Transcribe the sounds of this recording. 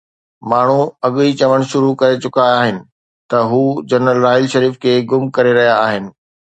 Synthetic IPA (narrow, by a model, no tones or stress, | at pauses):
maːɳ̤uɐɠit͡ɕɐʋəɽ̃ʃʊɾukɐɾet͡ɕʊkaːɦɪnɪ̆ | t̪ɐɦuːd͡ʑɐnəlɾaːɦɪlʃɐɾiːfkʰeːɡʊmkɐɾeɾɐɦijaːɦɪnɪ̆